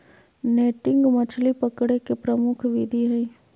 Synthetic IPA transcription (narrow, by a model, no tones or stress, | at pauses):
neːʈɪ̃ŋɡmɐt͡ʃʰlipəkɽekepɾəmʊkʰʋiːd̪iɦɛi